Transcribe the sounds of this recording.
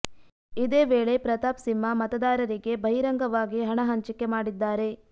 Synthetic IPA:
id̪eːʋeːɭe̞pɾɐt̪aːpsimːɐmɐt̪ɐd̪aːɾɐɾiɡe̞bʱɐɦiɾɐŋɡɐʋaːɡiɦɐɳɐɦɐɲt͡ʃikːe̞maːɽid̪ːaːɾe̞

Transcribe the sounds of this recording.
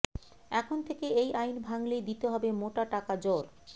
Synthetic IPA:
ɛkʰont̪ʰekeejʔajnbʱaŋlejd̪it̪eɦɔbemoʈaʈakad͡ʑoɾ

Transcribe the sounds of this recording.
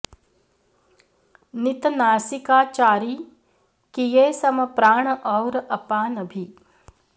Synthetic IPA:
nit̪naːsikaːt͡ʃaːɾiː | kijeːsɐmɐpɾaːɳʔɔwɾɐpaːnɐbʱi

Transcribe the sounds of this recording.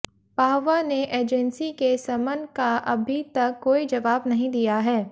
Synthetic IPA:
paːʋaneʔeːd͡ʒɛnsikesɐmənkaʔɐbʱit̪ɐkːoːid͡ʒɐʋaːbnɐɦĩd̪ijaɦɛː

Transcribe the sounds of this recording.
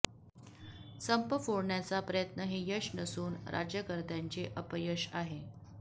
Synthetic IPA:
səmpəfoɽɳjat͡sapɾəjət̪nəɦejəɕnəsuːnɾa̰d͡ʑjəkəɾt̪jaɲt͡ɕeʔəpəjəɕaɦe

